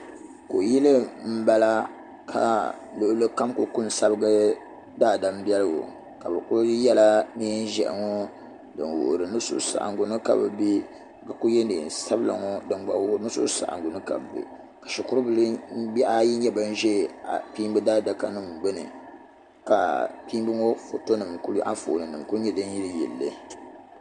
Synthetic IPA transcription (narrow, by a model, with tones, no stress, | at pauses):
ko˨ji˦lɨ˦m̩˦ba˦la˦ | kʰa̰˨ | lo˨ʔlɨ˦ka˦mkʊ˨kʊ˦n˨sa˦bɨ˦ɡɨ˦ | daː˦˨da˨m˦bɛ˦lɨ˦ɡo̰˨ | ka˨bɛ˨kʊ˦jɛ˦la˦ni˦n˦ʒɛ̰˨ʔŋɔ˦ | dɨ̰˨nwʊ̰˨ʔɾɨ˨nɨ˦sʊ̰˦˨˦sa̰˨ʔa̰˨ŋ˨ɡʊ˨nɨ˦ka̰˨bɨ˨bi˦˨ | ka˨ku˦jɛ˦ndɨ̰˨sa˦bɨ˦la̰˨ŋɔ˦dɨ˨ŋ˦ɡ͡ba˨wo˦nɨ˦sṵ˦ʔsa̰˨ʔa̰˨ŋ˨ɡʊ˨nɨ˦ka̰˨bbḭ˨ | kḁ˨ʃʊ˨kʊ˦ɾɨ˦bɨ˦lbi˦ʔa˦ji˦ɲɛ˦bɨ˦n˦ʒɛ˦˨a˨piː˦mbɨ˦daː˦da˨ka˦nɨ˦˨mbɨ˦nɨ̰˨ | ka̰˨pi˦mbɨ˦ŋo˦fo̰˨to˦nɨ˨mku˦lu˦ʔa̰˦fo̰ː˨nɨ˨nɨ˨mku˦ɲɛ˦dɨ˦n˦ji˦lɨ˦jɛ̰˨lːɨ̰˦